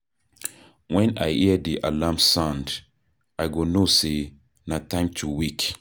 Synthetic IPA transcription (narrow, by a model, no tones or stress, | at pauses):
wɛ̃na̰jiədiʔalamsãnd | ajɡonose | natãɪ̃mtʰuwik